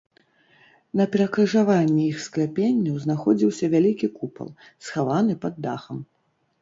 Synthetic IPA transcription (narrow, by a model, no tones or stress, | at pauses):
nɐpʲɛɾɐkɾɨʐavanʲːɛixsklʲapʲenʲːɐwznaxɔd͡zʲiwsʲɐvʲalʲikʲikupɐ̰lˠ | sxavanɨpɐd̪ːaxɐm